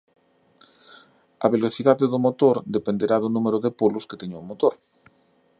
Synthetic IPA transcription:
ɐβeloθiðaðeðʊmot̪oɾd̪epend̪eɾaðʊnũmeɾoðepolʊske̥t̪eɲoːmot̪oɾ

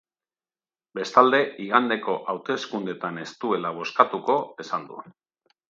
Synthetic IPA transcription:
be̞st̪ald̪e̞iɣand̪e̞ko̞ʔawt̪e̞skund̪e̞t̪ane̞st̪ue̞laβ̞o̞skat̪uko̞e̞sand̪uen

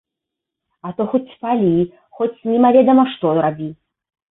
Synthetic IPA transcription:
ɐt̪ɔxɔt͡sʲpalʲi | xɔt͡sʲnʲimavʲɛd̪ɐmɐʂt̪ɔɾabʲi

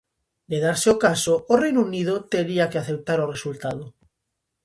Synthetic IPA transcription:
d̪eð̞aɾseokasoorejnunið̞ot̪eɾiakeaθewt̪aɾoresult̪að̞o

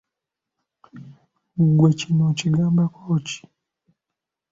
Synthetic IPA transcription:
ɡwɛt͡ʃinɔt͡ʃiɡambakɔt͡ʃi̥

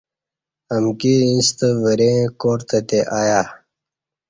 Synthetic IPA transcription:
əmkiĩst̪əvəɾẽkoːɾt̪ət̪eʔaːja

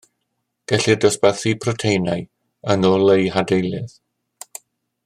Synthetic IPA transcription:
ɡ̥ɛɬɨdɔspɛθipʰrɔtʰejnaj | ənɔlˠejɦadejlˠɨð

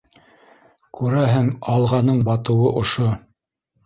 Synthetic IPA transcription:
kʉɾæɦɘŋɑlˠʁɑnɤɴbɑt̪ɤ̆wɤʔŏʃo

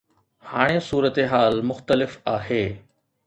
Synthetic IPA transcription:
haːɽ̃esuːɾət̪eɦaːlmʊxt̪əlɪfaːɦeː

